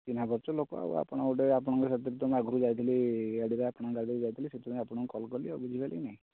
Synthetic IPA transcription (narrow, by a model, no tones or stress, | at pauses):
t̪inabɔɾt͡ʃɔlokɔa̰ṵa̰pɔɽ̃ɔuʈeapɔɽ̃ɔ̃ŋkɔsat̪ɾit̪ɔmaɡuɾud͡ʒajt̪ʰiliaɽiɾaapɔɽ̃ãkaɽiɾd͡ʒajt̪ʰiliset̪ʰĩapɔɽ̃ɔ̃ŋkɔkɔlkɔliɔbid͡ʒʱibala̰inaɦĩ